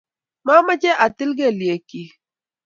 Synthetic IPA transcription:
ma˦ma˦t͡ʃɛ˦ʔa˨ti˦lɡe˦˨lje˨ki˦

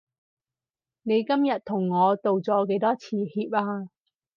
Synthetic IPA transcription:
ne˨˧jkɐ˥mjɐ˨t̚t̪ʰʊ˨˩ŋːɔː˨˧t̪o˨wt͡sɔː˨˧˥ke˨˥jt̪ɔː˥t͡sʰiː˨˧hiː˧p̚aː˧

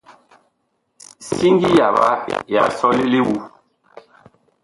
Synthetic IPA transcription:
si˦ŋɡi˦ja˨ba̰˨˦ja̰˨sɔ˦li˦li˦wu˨˦

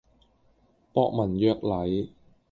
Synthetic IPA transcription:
pɔː˧k̚mɐ˨˩njœː˧k̚lɐ˨˥j

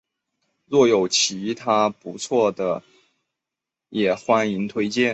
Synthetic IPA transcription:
ɻwɔ˥˩jo˨˩ʊt͡ɕʰi˧˥t̪ʰa˥pu˧˥t͡sʰwɔ˥˩d̪ə˩ | jɛ˨˩xwa˥ni˧˥ŋt̪ʰwe˥ɪt͡ɕjɛ˥˩

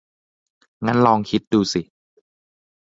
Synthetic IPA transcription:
ŋa˦˥˨nlɔː˧ŋkʰi˦˥t̪̚duː˧˩si˨˩

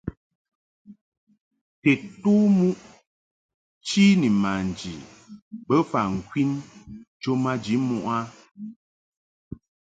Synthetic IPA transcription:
tɛ˨tuː˦mu˦ʔ | t͡ʃi˦ni˨ma˨n˨d͡ʒi˨ | bə˦fa˨ŋ̩˨kwi˦nt͡ʃo˦ma˦d͡ʒi˨˦mu˦ʔa˦

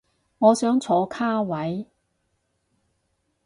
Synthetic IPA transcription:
ŋɔː˨˧sœː˨˥ŋt͡sʰɔː˨˥kʰaː˥wɐ˨˥j

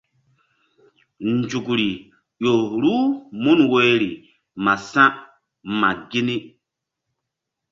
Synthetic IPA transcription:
n˨d͡ʒu˨kɾi˨ | jo˨ɾu˦mu˦nwe˦ɾi˨ | ma˨sã˦ | ma˨ɡi˦ni˦

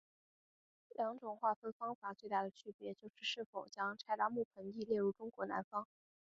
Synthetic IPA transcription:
ljɑ˧˥ŋʈ͡ʂʊ˨˩ŋxwa˥˩t̪ɤ˥˩fɑ˥ŋfa˨˩˦t͡swe˥˧ɪt̪a˥˩d̪ə˩t͡ɕʰy˥˩pjɛ˧˥t͡ɕjo˥˧ʊʂɻ̩˥˧ʂɻ̩˥˩fo˨˩ʊt͡ɕjɑ˥ŋʈ͡ʂʰa˥˩ɪla˥mu˥˩pʰə˧˥ni˥˧ljɛ˥˧ɻu˥˩ʈ͡ʂʊ˥ŋkwɔ˧˥na̰˧˥nfɑ˥ŋ

